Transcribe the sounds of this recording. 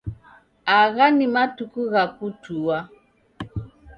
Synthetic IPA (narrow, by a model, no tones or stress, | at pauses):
aɣanimatukuɣakutuwa